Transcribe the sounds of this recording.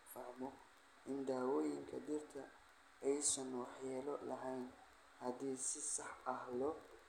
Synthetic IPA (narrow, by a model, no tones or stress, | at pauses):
fɐʕmɔ | ʔɪnd̪aːwɔːjɪŋkʰɐd̪ɪrt̪ʰɐ | ɛjsɐnwɑħjɛːlɔlɐɦɛjn | hɐd̪iːsɪsɑħɐhlɔ